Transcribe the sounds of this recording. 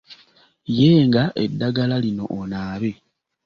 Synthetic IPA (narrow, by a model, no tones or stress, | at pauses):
jeːŋɡaʔe̞dːaɡalalino̞ʔonaːβe